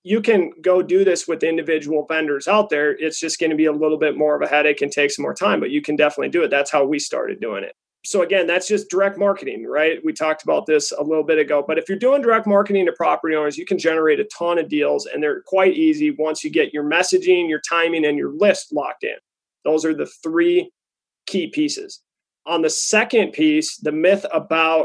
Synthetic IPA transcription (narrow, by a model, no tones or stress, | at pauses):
jɨkʰɨ̃nɡoʊdɨðɪswɨðɪ̃ndɨvɪd͡ʒəwl̩ˠvɛ̃ndə˞zaʊt̪̚ðə˞ɪtsd̥ʒ̥ʌsɡ̥ʌñɨbiəlɪɾl̩ˠbɪt̚mɔɹʌvɨhæɾeɪkɨ̃n̩tʰeɪksʌ̃mɔ̰ɹtʰãɪ̃mbʌt͡ʃɨkʰɨ̃ndɛfənətˡlidɨɨt̪̚ðætshaʊwistɑ̰ɹɾɨ̰dʉ̰ɪ̰̃ŋɪ̰t̚ | soʊɨɡɛ̃nðætsd̥ʒ̥ʌsd̥ə˞ɛk̚t̚mɑɹkɨɾɪ̰̃ŋɹaɪt̚witʰɔk̚təbaʊt̪̚ðɪsə̰lɪɾl̩ˠbɪɾɨɡoʊbʌɾɨfjə˞dʉɪ̃ŋdə˞ɛk̚t̚mɑɹkɨɾɪ̃ŋtʰɨpʰɹ̥ɑpə˞ɾiõʊnə˞zjɨkʰɨ̃n̩d͡ʒɛnə˞eɪɾɨtʰɑ̃ñɨdilˠzɨ̰̃nðə˞kʰw̥aɪɾʔiziwʌ̃nsjɨɡɛt͡ʃə˞mɛsɨd͡ʒɪ̃njə˞tʰãɪ̃mɪ̃ŋɨ̃njə˞lɪstˡlɑ̰k̚tɪ̰̃n | ðoʊzə˞ðɨθɹi | kʰipʰisɨ̰z̥ | ʔə̃nðɨsɛkɨ̃npʰisðɨmɪθəbaʊt̚